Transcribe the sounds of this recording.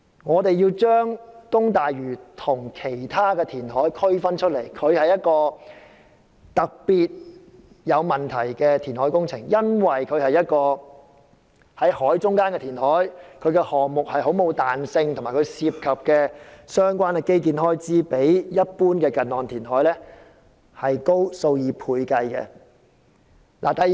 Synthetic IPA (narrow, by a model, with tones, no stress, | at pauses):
ŋɔː˨˧t̪e˨jjiː˧wt͡ʃœː˥ŋkʊ˥ŋt̪aː˨jɥyː˨˩t̪ʰʊ˨˩ŋkʰe˨˩jt̪ʰaː˥kɛː˧t̪ʰiː˨˩nɦɔː˨˥jkʰɵ˥ɥfɐ˥nt͡ʃʰɵ˥t̚le˨˩jkʰɵ˨˧ɥhɐ˨jɐ˥t̚kɔː˧ | t̪ɐ˨k̚piː˨t̚ | jɐ˨˧wmɐ˨˩nt̪ʰɐ˨˩jkɛː˧t̪ʰiː˨˩nhɔː˨˥jkʊ˥ŋt͡sʰɪ˨˩ŋjɐ˥nwɐ˨jkʰɵ˨˧ɥhɐ˨jɐ˥t̚kɔː˧ | hɐ˨˥jhɔː˨˥jt͡sʊ˥ŋkaː˥nkɛː˧t̪ʰiː˨˩nhɔː˨˥jkʰɵ˨˧ɥkɛ˧hɔː˨ŋmʊ˨k̚hɐ˨˩jɦo˨˥wmo˨˧wt̪aː˨nsɪ˧ŋt̪ʰmaː˨˩kʰɥsiː˧p̚kʰɐ˨p̚kɛː˧sœː˥ŋkʷaː˥nɛ˧ke˥jk̬iː˧nɦɔː˥jt͡siː˥pe˨˥jjɐ˥t̚puː˥nkɛː˧kɐ˨nːɔː˨nt̪ʰiː˨˩nɦɔː˨˥jlɛː˥ | hɐ˨jko˥wso˧wjiː˨˧pʰuː˧jkɐ˧jkɛ̰ː˧ | lʔa̰ː˨˩t̪ɐ˨